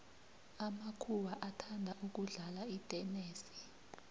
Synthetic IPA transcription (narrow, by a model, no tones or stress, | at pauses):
amakʰuwaʔatʰandʱaʔuk̬uɮalaitʼɛneːsi̥